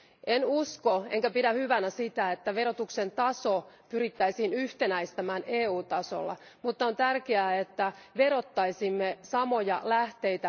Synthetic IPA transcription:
ʔenuskoeŋkæpidæhyʋænæsit̪æet̪ːæʋeɾot̪uksent̪ɑsopyɾit̪ːæisiːnyht̪enæist̪æmæːneːuːt̪ɑso̰lːɑ̰ | mut̪ːɑont̪ærkeæːet̪ːæʋeɾo̞t̪ːɑisimːesɑmojɑ̰læht̪e̞jt̪æ

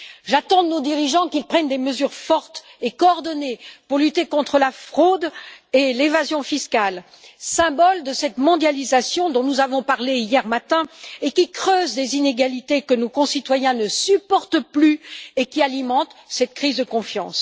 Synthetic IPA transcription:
ʒat̪ɑ̃nod̪iʁiʒɑ̃kilpχɛnd̪eməzyʁfɔʁt̪ | ekɔːʁd̪ɔnepuʁlyt̪ekɔ̃t̪χəlafχod̪elevazjɔ̃fiskal | sɛ̃bɔld̪əsɛt̪mɔ̃d̪jalizasjɔ̃d̪ɔ̃nuzavɔ̃paʁleijɛʁmat̪ɛ̃ekʲikχøzlezineɡalit̪ekənokɔ̃sit̪wajɛ̃nəsypɔʁt̪plyekʲialimɑ̃t̪sɛt̪̚kχizd̪əkɔ̃fjɑ̰̃s

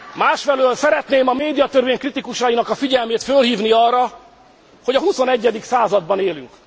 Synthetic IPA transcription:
maːʃfɛløːlsɛɾɛt̪neːmɒmeːd̪ijɒt̪ørveːɲkrit̪ikuʃɒinɒkɒfiɟɛlmeːt̪følɦiːvniɒrːɒ | ho̞ɟɒɦuso̞nɛɟːɛd̪iksaːzɒd̪̚bɒneːly̰ŋk

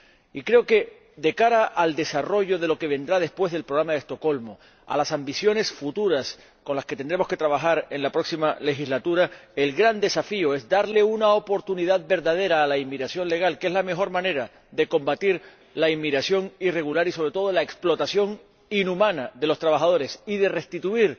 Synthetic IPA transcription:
ikɾe̞oke̞ | d̪e̞kaɾaʔːld̪e̞saro̞ʝo̞ðe̞lo̞ke̞β̞e̞nd̪ɾað̞e̞spwe̞zðe̞lpɾoɣɾamaðe̞st̪o̞ko̞lmo | a̰lasambisjo̞ne̞sfut̪uɾas | ko̞nlaske̞t̪end̪ɾe̞mo̞ske̞t̪ɾaβaxaɾe̞ŋlapɾo̞ksimale̞xizlat̪uɾae̞lɡɾand̪e̞safioe̞zd̪aɾle̞unaopo̞ɾt̪uniðaðbe̞ɾðað̞e̞ɾaːlaimːiɣɾasjo̞nle̞ɣ̞alkee̞zlame̞xo̞ɾmãne̞ɾa | ðe̞ko̞mbat̪iɾ | laimːiɣɾasjo̞ŋire̞ɣulaɾiso̞βɾet̪o̞ð̞olae̞ksplo̞t̪asjo̞ŋ | inumãnaðe̞lo̞st̪ɾaβaxað̞o̞ɾe̞siðe̞re̞st̪it̪uiɾ

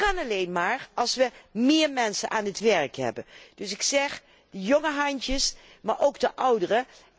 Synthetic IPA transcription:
kɑnɑlejnmaːɹɑlˠsʋəmɪːɹmɛnsənʔaːnətʋɛɹkɦɛ̰bənd̥ɵsɪksɛχ | d̥əjoŋəɦɑntəs | maːɹʔowɡdəʔʌwdərə

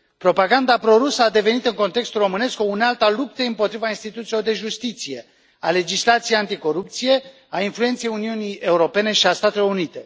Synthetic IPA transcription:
pɾo̞paɡand̪apɾo̞ɾusəad̪e̞ve̞nit̪ɨŋko̞nt̪e̞kst̪ulro̞mɨne̞skounalt̪alup̚t̪eɨmpo̞t̪ɾivainst̪it̪ut̪silo̞rd̪e̞ʒust̪it̪sije̞ | ale̞d͡ʒislat̪sijeant̪iko̞ɾup̚t̪sije̞ | ainfluet̪sejuniunie̞uɾo̞pe̞ne̞ʃiast̪at̪e̞lo̞ɾunit̪e̞

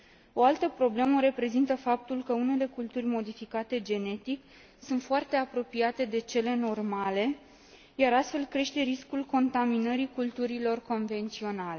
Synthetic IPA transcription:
o̞alt̪əpɾo̞ble̞məɾe̞pɾe̞zint̪əfap̚t̪ulkəune̞le̞kult̪urʲmo̞d̪ifikat̪e̞d͡ʒe̞ne̞t̪ik | sunt̪foart̪e̞apɾo̞piat̪e̞d̪e̞t͡ʃe̞le̞no̞rmale̞ | jaɾast̪fe̞lkɾe̞ʃt̪e̞ɾiskulko̞nt̪aminəɾikult̪uɾilo̞rko̞nve̞nt̪sio̞nale

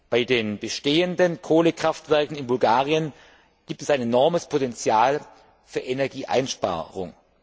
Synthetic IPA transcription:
b̥aɪdeːnbəʃteːəndənkʰoːləkʁ̥aftv̥ɛɐkŋ̩ɪnbʊlɡaːʁiən | ɡ̥iːp̚tɛsaɪnenɔɐməspʰotɛnt͡sjaːl | fyːɐʔenɛɐɡiːʔa̰ɪnʃpa̰ːʁʊ̰ŋ

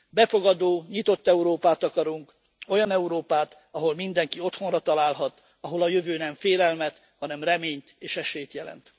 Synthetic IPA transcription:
bɛfo̞ɡɒd̪oːɲit̪o̞t̪ːɛuɾoːpaːt̪ɒkɒɾuŋk | o̞jɒnɛuɾoːpaːt̪ | ɒɦo̞lmind̪ɛŋkio̞t̪ho̞nrɒt̪ɒlaːlɦɒt̪ | ɒɦo̞lɒjøvøːnɛɱfeːlɛlmɛt̪ | hɒnɛmrɛmeːɲt̪eːʃɛʃeːjt̪jɛlɛ̰nt̪

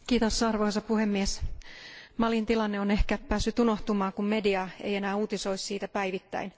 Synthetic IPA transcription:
kiːt̪osɑrʋoisɑpuhemːies | mɑlint̪ilɑnːeonehkæppæːsːyt̪uno̞ht̪umɑːkummediɑḛjenæːuːt̪isoissiːt̪æpæiʋit̪ːæ̰in

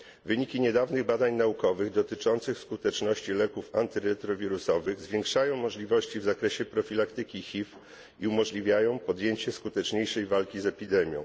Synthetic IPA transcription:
vɘɲikʲiɲɛd̪avnɘɣbad̪aɲnaukɔvɘɣd̪ɔt̪ɘt͡ʂɔnt̪sɘxskut̪ɛt͡ʂnɔɕt͡ɕilɛkufant̪ɘɾɛt̪ɾɔvʲiɾusɔvɘɣzvʲjeŋkʂajɔ̃w̃mɔʐlʲivɔɕt͡ɕivzakɾɛɕɛpɾɔfʲilakt̪ɘkʲixʲif | iumɔʐlʲivʲjajɔ̃w̃pɔd̪jeɲt͡ɕɛskut̪ɛt͡ʂɲejʂɛjvalkʲizɛpʲid̪ɛmʲjɔ̰̃w̃

